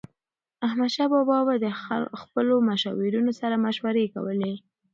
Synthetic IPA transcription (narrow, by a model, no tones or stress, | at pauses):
ahmad̪ʃɑbɑbɑwad̪əxpəlomaʃɑ̰wiɾunosaɾamaʃwaɾeka̰wəle